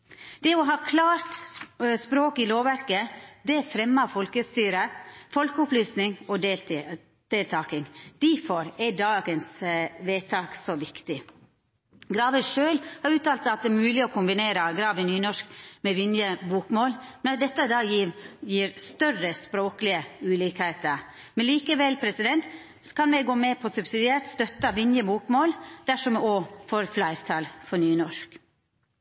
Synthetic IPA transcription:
d̪̥ɛɔɦɑːkʰlɑːɾt̪spɾoːkɪloːʋæɾkəd̪ɛæfɾɛmːəfɔlkəst̪yːɾəfɔlkəʊplyːsnɪŋɔd̪ | d̪̥eːlt̪ʰɑːkɪŋd̪̥æfɔɾɛdɑːɡənsʋeːt̪ʰɑːksɔʋɪkt̪ɪ | ɡɾɑːʋəʂøːlhɑɾʉːt̪ɑːlt̪ɑt̪̚d̪ɛːmʉːlɪɔkʊmbɪneːɾəɡɾɑːʋɪnyːnɔʂkmɛʋɪnjəbuːkmoːlmɛnɑt̪̚d̪ɛt̪ːəd̪ɑːjijiːɾst̪œrəspɾoːklɪəʉːlɪkheːt̪əɾ | mɛnliːkəʋɛlpʰɾɛsɪd̪ɛnt̪ | kɑnmɛɡoːmɛpʰɔsʉbsɪd̪ɪeːɾt̪st̪œt̪ːəʋɪnjəbuːkmoːld̪̥æʂɔmofoːɾflæɪɾt̪ʰɑlfɔnyːnɔʂk

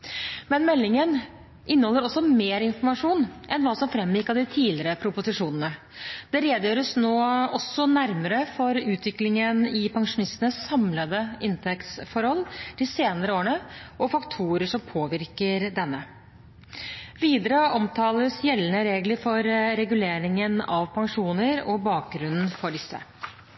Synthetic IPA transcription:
mɛnmɛlːɪŋən | ʔɪnːəhɔlːəɾɔsːɔmeːɾɪnfɔɾmɑʂuːnʔɛnʋɑːsɔmfɾɛmjɪkːɑʋd̪ɪt̪ʰiːlɪɾəpʰɾʊpʊsɪʂuːnənə | d̪̥ɛɾeːd̪jøːɾəsnoːɔsːɔnæɾməɾəfɔɾʉːt̪ʰʋɪklɪŋənɪpʰɑŋʂʊnɪst̪ənəsːɑmləd̪əɪnt̪ʰɛkt̪sfɔɾhɔlːd̪̥ɪseːnəɾəoːɾəɳəʔɔfɑkt̪ʰuːɾəʂɔmpʰoːʋɪɾkəɾd̪ɛnːə | ʋiːd̪əɾəʔɔmt̪ʰɑːləsjɛlːənəɾeːɡləfɔɾɾɛɡʉleːɾɪŋənɑʋpʰɑŋʂuːnəɾɔbɑːk̚ɡɾʉnn̩fɔɖɪsːə̰

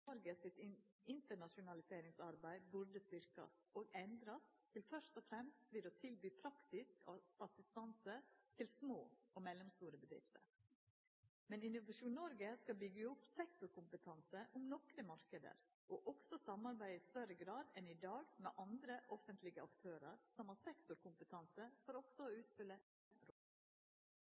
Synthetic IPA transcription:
ɔɾɡəsɪt̪ɪnt̪əɳɑʂʊnɑlɪseːɾɪŋsɑɾbæɪbʉɖəst̪ʏɾkɑ̰soːɡɛnd̪ɾɑst̪ʰɪlfœʂt̪ɔfɾɛmst̪ʋɪd̪oːt̪ʰɪlbyːpʰɾɑkt̪ɪskɑsɪst̪ɑnsət̪ʰɪlsmoːɔmɛlːɔmst̪uːɾəbəd̪ɾɪ̰ft̪ə̰ɾ | mɛnɪnʊʋɑʂuːnːɔɾɡəskɑbʏɡəʊpsɛkt̪ʊɾkʰʊmpət̪ʰɑnsəʔʊmnɔkɾəmɑɾkəd̪ə̰ɾ | ʔoːʔɔɡsɔsɑmɑɾbæɪɪst̪œɾəɡɾɑːd̪ɛnɪd̪ɑːɡmḛːʔɑnd̪ɾəʔɔfənt̪ʰlɪɡəɑkt̪ʰøːɾəɾsɔmhɑɾsɛkt̪ʊɾkʰʊmpət̪ʰɑnsəfɔɾɔɡ̥sɔoːʉːt̪fʏlə | ɛnɾɔl

